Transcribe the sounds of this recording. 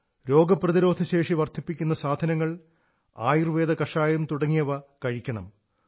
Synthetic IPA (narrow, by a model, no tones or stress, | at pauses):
ɾo̞ːɡɐprɐðiɾo̞ːd̪ʱɐɕe̞ːʂiʋɐrt̪ʰipːikʲːunːɐsaːd̪ʱɐnɐŋːɐɭ | aːjirʋe̞ːd̪ɐkɐʂaːjumt̪uɽɐŋːijɐʋɐkɐɻikʲːɐɳɐ̰m